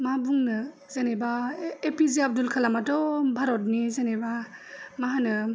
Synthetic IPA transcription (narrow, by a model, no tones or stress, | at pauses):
mabuŋnɯ | zanebaepiziab̚dulkʰalamatɔbʱaɾɔt̚nizanebamaɦanɯ